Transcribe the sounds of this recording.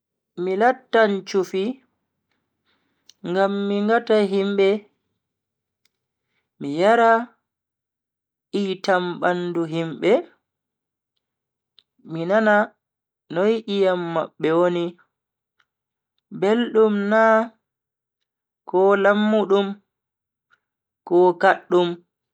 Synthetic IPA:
milatːaɲt͡ʃufi | ŋɡamːiŋɡataɦimbɛ | mijaɾa | ʔiːtamɓanduɦimɓɛ | minana | nɔjʔijamːa̰ɓːɛwoni | belɗumnaː | kɔlamːuɗum | kɔːkaɗːum

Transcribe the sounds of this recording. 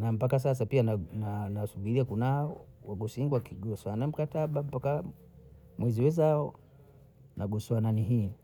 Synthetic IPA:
nam̩pakas̬as̬apianananasuɓiɾiakunaɔwaɡɔsiŋɡwakiɡɔsanam̩kataɓam̩paka | mwɛziwɛzaɔ | nʔaɡɔsɔananiɦi

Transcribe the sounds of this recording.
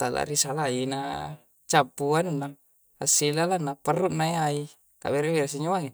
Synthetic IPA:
t̪ala̰ɾisalaina | t͡ʃapːuannːa | asilalanːapərːuʔnaiai | ka̰beɾebeɾas̬iɲoaŋe

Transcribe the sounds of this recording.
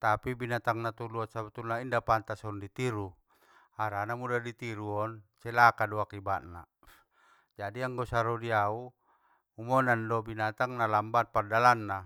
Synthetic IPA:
t̪apibinat̪aŋnat̪uluat̪̚sabut̪ulnaindapant̪asɔndit̪iɾu | aɾanamudadit̪iɾuɔnsɛlakaduakibaʔ̪na̰ | d͡ʒadiaŋɡɔsaɾɔdiau | umɔnandɔbinat̪aŋnalambat̪̚pardalanːa

